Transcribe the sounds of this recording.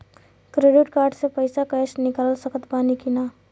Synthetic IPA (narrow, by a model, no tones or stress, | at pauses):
kɾeɖɪʈkaːɾɖsepəɪsakəʃnɪkaləlsəkət̪paːnikinaː